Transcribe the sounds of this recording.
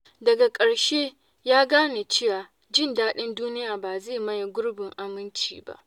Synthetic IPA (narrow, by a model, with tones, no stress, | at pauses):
dɐ˨ɡa˨kʼɐ˨ɽʃeː˦ | jaː˦ɡaː˦ne˨t͡ʃɪ˦jaː˨ | d͡ʒɪ˦˨ndaː˦ɗɪ˦nduː˦nɪ˦jaː˨baː˨zeː˦˨mɐ˦jɡʷʊ˦ɽbɪ˨ŋʔa˨mɪ˦nt͡ʃḭː˨ba̰˦ʔ